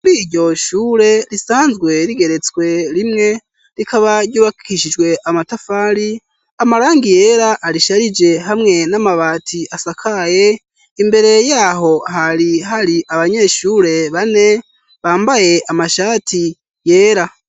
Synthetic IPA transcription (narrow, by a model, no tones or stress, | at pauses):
kuɾiːɾɟo̞ʃuːɾe̞ɾisaːnzɡwe̞ɾiɡe̞ɾe̞t͡swe̞ɾimŋe̞ | ɾikʰaβaɾɟuːβakkiʃid͡ʒɡwe̞ʔamatafaːɾi | amaɾaːŋɡije̞ɾaʔːɾiʃaɾid͡ʒe̞ɦamŋe̞namaβaːtʰiʔasakʰaje̞ | imbe̞ɾe̞jaːɦo̞haɾiɦaɾiʔaβaɲe̞ːʃuːɾe̞βane̞ | βaːmbaje̞ʔamaʃaːtʰi | je̞ːɾa